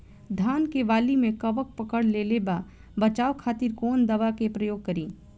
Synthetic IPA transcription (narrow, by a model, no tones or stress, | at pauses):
d̪ʱaːnkeʋaːlimẽkɐʋək̚pəkəɽleleba | bɐt͡ʃaːwkʰaːt̪ɪɾkoːnd̪ɐʋakepɾɐjoːɡ̚kɐɾiː